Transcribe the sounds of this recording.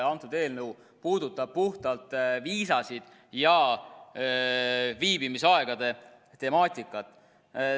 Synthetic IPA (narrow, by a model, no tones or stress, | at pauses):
ɑnt̪ːˑud̪̥e̞ːlnɤw | puːd̪ut̪ːˑɑb̥̚puht̪ɑlt̪ˑviːsɑsid̪̥ | jɑ | viːbimisɑe̞ɡ̥ɑd̪e̞ | t̪e̞mɑːt̪ʲˑikːˑɑt̪ːˑ